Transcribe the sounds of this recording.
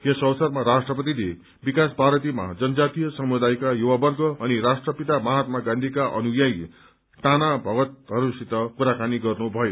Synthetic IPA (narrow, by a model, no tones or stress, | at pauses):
jesʌwʌsʌrmaɾasʈrʌpʌt̪̬id̪e | bikaspaɾʌt̪ima̰d͡zʌnʌd͡zat̪ijʌsʌmud̪ajkajuwabʌrɡʌːniɾasʈrʌpit̪amʌɦat̪maɡãnd̪ʱikaʔʌ̰nujaj | ʈanabʱʌɡʌt̪̚ɦʌɾusit̪ʌkuɾakaniɡʌrnubʱʌjo